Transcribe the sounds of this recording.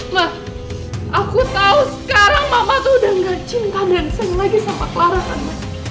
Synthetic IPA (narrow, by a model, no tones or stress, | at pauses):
mah | ʔakut̪ausə̥kaɾaŋmamat̪udaŋɡat͡ʃink̪andansɛŋlaɡisampakəlaɾasanma